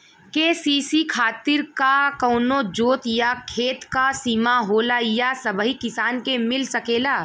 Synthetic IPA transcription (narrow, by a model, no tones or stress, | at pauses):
keːsiːsikʰaːt̪ɪɾkakɔːnod͡ʒoːt̪jakʰeːt̪kasiːmaɦoːlajasɐbɦikɪsaːnkemɪlsɐkeːlaː